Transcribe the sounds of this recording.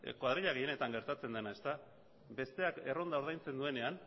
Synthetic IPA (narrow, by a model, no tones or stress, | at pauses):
kwaðɾiʎaɣeje̞ne̞t̪aŋɡe̞ɾt̪at͡se̞nd̪e̞nae̞st̪a | be̞st̪e̞ake̞ro̞nd̪ao̞ɾð̞ajnt͡se̞nd̪ue̞ne̞an